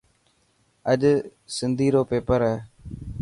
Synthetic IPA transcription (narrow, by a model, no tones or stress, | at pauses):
əɗsɪnd̪ʱiːɾoːpeːpəɾɛː